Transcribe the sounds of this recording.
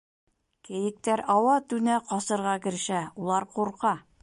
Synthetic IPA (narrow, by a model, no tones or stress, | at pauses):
kɘ̆jɘ̆k̚t̪æɾɒwɑt̪ʉnæqɒsɤ̆ɾʁɑkɘ̆ɾɘ̆ʃæulˠɑɾquɾqɑ